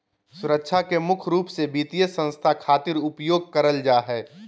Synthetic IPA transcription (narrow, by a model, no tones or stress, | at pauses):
sʊɾəkʃʰakemʊkʰɾuːpsebiːt̪ijəsə̃nst̪ʰakʰaːt̪ɪɾʊpjoːɡ̚kəɾəld͡ʒaːɦɛː